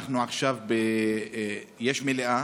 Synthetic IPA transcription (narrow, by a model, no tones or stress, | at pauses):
χnuaχʃavbe | jeʃmeleʔa